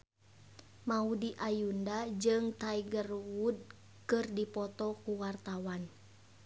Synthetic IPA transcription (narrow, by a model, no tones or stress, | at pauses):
maudiʔajundad͡ʒɨŋt̪aiɡərwud̚ | kɨrdipɔt̪ɔkuwart̪awan